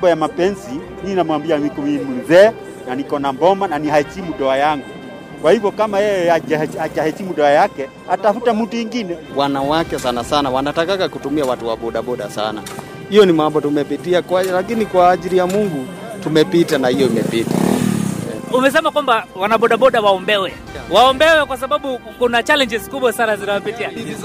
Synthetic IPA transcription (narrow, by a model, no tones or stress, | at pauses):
bɔjamapɛnzi | minamwambiamikɔmimunzɛː | nanikɔnambɔmananihaɛt͡ʃimuɗɔajaŋɡu | kwahivjɔkamajɛjɛaat͡ʃahɛt͡ʃimuɗɔajakɛ | atafutamutujiŋɡinɛ | wanawakɛsanasanawanatakakakutumiawatuwaɓɔɗaɓɔɗa̰sa̰na̰ | hijɔnimambɔtumɛpitiakalakinikwaːʄiɾijamuŋɡu | tumɛpitanahijɔimɛpita̰ | umɛs̬ɛmakwambawanaɓɔɗaɓɔɗawaɔmbɛwɛ | waɔmbɛwɛkwas̬aɓaɓukunat͡ʃalɛɲd͡ʒɛzkuɓwasanazinawɔpitia